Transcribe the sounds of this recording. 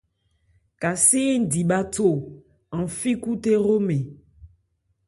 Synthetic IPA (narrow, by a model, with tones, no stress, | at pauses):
ka˨si˦n̩˦˨di˨ɓa˦to˦˨ | ã˨fi˦ku˦te˦ɾo˦me˨